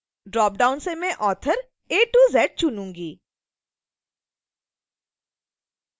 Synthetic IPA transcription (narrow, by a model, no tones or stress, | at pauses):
ɖɾɔːp̚ɖaːʊnsemẽʔɔːt̪ʰəɾ | eːʈuːzɛːʈ̚t͡ʃʊnũːŋɡiː